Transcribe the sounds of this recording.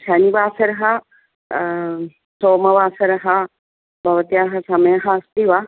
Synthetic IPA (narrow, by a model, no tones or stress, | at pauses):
ʃanibaːsɐɾɐɦɐ | soːmɐʋaːsɐɾɐɦɐ | bʱɐʋɐt̪ijaɦɐsɐmɐjɐɦɐɐst̪iʋa